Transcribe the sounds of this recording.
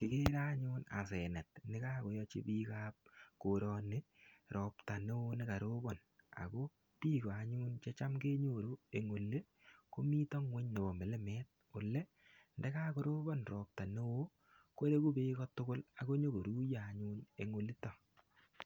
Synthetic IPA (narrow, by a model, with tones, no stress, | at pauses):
kɪ˨ke˦ɾa˦ɲʊ˦na̰˨sɛ˨nɛ˨t̚nɪ˦kaː˦ko˨jɔ˦t͡ʃḭ˦piː˦ka˦p̚ko˨ɾɔ˨ne˦ | ɾʔɔː˨pta˨ne˦wo˦nɪ˦ka˨ɾo˦bɔ˨n | a̰˨ko˦ | piː˦kɔ˨a˨ɲuː˦nt͡ʃe˦t͡ʃa˦mkeː˦ɲo˦˨ɾo˦e˨ŋo˨lːe˦ | ko˦mi˦tɔ˦ŋwe˦ɲn˨bɔ˨me˨le˦mɛː˦t̚ | o˨lɛ˦ | ndɛ˦ka˦ko˦ɾo˦bɔ˦nrɔ˨p̚ta˨ne˦wo˦ | ko˦ɾe˦ku˦beː˦kɔ˦tʊ˦kʊ˦la˨ko˦ɲo˦ko˨ɾu˦jaː˨ɲu˦nḛ˨ŋo˨li˦tɔ˨